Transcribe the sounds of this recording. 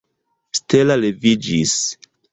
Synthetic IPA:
stelalevid͡ʒis

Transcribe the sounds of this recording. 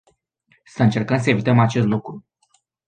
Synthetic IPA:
səɨnt͡ʃe̞rkənsəe̞vit̪əmat͡ʃe̞s̬t̪lukɾu

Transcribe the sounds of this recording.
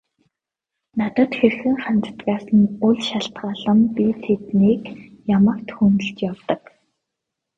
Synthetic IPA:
nat̪ə̆t̪xerxɘ̆ŋχant̪ə̥t̪ɡaːsə̆nʊɮʃaɬt̪ɢaːɮə̆mpit̪ʰet̪niːk | jamə̆kt̪xunt̪ɵ̆ɬt͡ɕjawt̪ə̆k

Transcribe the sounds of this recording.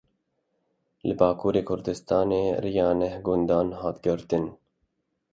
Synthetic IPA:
lɨbɑːkʰuːɾeːkʰʊɾd̪ɨst̪ɑːneːrijɑːnɛhɡʊnd̪ɑːnhɑːt̪ɡɨɾt̪ɨn

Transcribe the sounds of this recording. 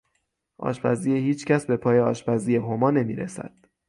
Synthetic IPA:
ʔɒ̰ːʃpæzijehiːt͡ʃcʰæsbe̞pʰɒːje̞ɒːʃpæzijeɦomɒːne̞mḭːɾḛsæ̰d̪̥

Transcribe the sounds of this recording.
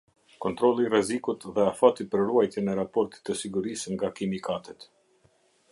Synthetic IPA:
kɔnt̪ɾɔlˠirɛzikut̪ðɛafat̪ipəɾruajt̪jɛnɛɾapɔɾt̪i̥t̪ːəsiɡuɾisəŋɡakimikat̪ɛt̪

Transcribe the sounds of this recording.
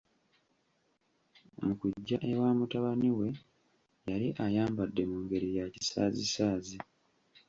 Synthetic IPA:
mukuɟːaʔewaːmutaβaniwe̞ | jaliʔajaːmbadːe̞muːŋɡe̞ɾijaci̥saːzisaːzi

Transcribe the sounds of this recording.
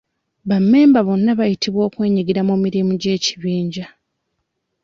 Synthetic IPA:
βamːe̞ːmbaβo̞nːaβajitiβwo̞ːkwe̞ːɲiɡiɾameːmiɾimuɟe̞ːci̥βiːɲɟa

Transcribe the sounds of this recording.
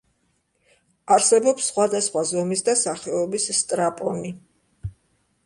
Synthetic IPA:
aɾsɛbɔpsːχwad̪asχwazɔmisd̪asaχɛɔbisːt̪ʼɾapʼɔni

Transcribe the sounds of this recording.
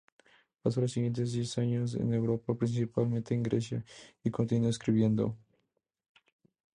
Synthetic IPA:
pas̬olosːiɣjent̪ezðjesaɲos̬ḛnewɾopapɾĩns̬ipalmẽnt̪ẽːŋɡɾḛsja̰ikõnt̪̬inueskɾiβjẽnd̪o̰

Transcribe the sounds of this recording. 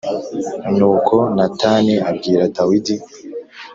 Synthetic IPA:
nuːkʰonatʰaːniabɡiːɾatawidi

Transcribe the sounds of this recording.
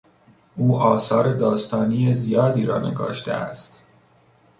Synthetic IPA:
ʔuːʔɒːsɒːɾed̪ɒːst̪ʰɒːniːjezijɒːd̪iːɾɒ̰ːne̞̰ɡɒ̰ːʃt̪ḛæ̰st̪

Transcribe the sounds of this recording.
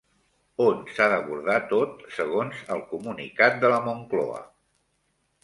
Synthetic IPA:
onsaðəβuɾðat̪ot̪səɣ̞onzəlˠkumunḭkat̪̚d̪ələmuŋklɔ̰ə̰

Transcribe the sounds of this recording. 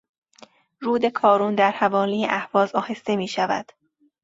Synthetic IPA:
ɾuːd̪e̞kʰɒːɾuːnd̪æɾhævɒːlijeʔæhvɒːzɒːhe̞st̪e̞miːʃævæ̰d̪̥

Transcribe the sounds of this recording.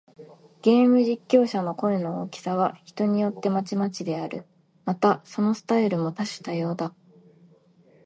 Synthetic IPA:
ɡ̥e̞ːmɯ̟ʑikʲːo̞ːɕano̞ko̞eno̞oːkʲi̥saβ̞açi̥t̪o̞ɲ̟ijo̞t̪ːe̞mat͡ɕimat͡ɕid̪e̞aɾɯ̟ | mat̪aso̞no̞sɨ̥t̪aiɾɯ̟mo̞t̪aɕi̥t̪ajo̞ːd̪a

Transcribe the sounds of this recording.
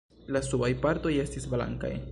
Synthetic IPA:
lasubajpaɾto̞je̞stisbla̰ŋka̰j

